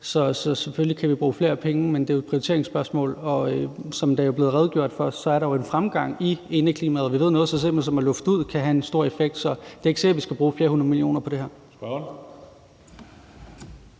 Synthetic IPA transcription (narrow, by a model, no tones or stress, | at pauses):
sɒ̽sɒ̽sefølikʰæʋib̥ʁuːfle̝ːɐpʰeŋəmend̥e̝joed̥̚pʰʁiot͡sʰe̝ɐ̰eŋsb̥ɶɐsmɔ̰̽ːlɒ̽øsɒ̽md̥æɐjo̝b̥e̝ːð̩ˠʁɛð̞ˠɡ̥jo̝ɐ̰d̥fɒɶsdsɒ̽æɐɾɑjo̝e̝nfʁamɡ̥ɑ̈ŋ̰ie̝nəkʰliːmæð̩ˠʋiʋˠnɔ̽ðˠsɒ̽sel̰m̥ḛsɒ̽mæɐlɔ̽fd̥uð̞̰ˠkʰæɦæe̝nsd̥o̝ɐ̰e̝feɡ̥d̥sɒ̽d̥e̝e̝ɡ̥se̝ɡɐʋisɡ̥æb̥ʁuːfiːɐhunɐð̞̩ˠmilio̝̰ːnɐpʰɒ̽d̥e̝ɦæɐ̰̥